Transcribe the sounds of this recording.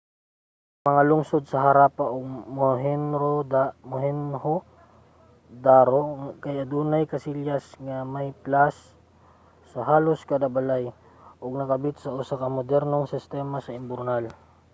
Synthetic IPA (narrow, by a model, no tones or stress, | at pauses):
mɐŋalʊŋsod̪̚sɐɦɐɾapaʔoɡ̚moɦɛnɾomohɛnho | d̪aɾokɐjɐd̪uːnɐjkɐsiljasŋamɐjplasː | ɐɦaːloskad̪abɐlaj | ʔoɡ̚nɐkɐbɪt̪̚sɐʔʊsakɐmod̪ɛɾnoŋsɪst̪ɛmasɐɪmbʊɾnal